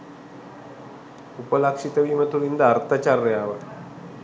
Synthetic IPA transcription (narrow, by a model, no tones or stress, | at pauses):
upəlakʂit̪əʋimət̪ulind̪aɾt̪at͡ɕarːəjaʋə